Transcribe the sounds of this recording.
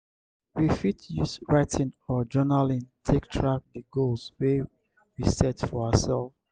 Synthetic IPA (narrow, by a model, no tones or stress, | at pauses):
wifitʰjusɹaɪtʰĩnɔd͡ʒɜnalĩntʰek̚tʰɹak̚dəɡolzwe | wisɛtfɔaəsɛlv